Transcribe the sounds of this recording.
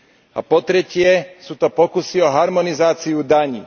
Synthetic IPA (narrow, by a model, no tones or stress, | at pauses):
a̰pɔt̪ɾɛcɪɛsuːt̪ɔpɔkusiɔɦaɾmɔnizaːt͡siud̪aɲḭː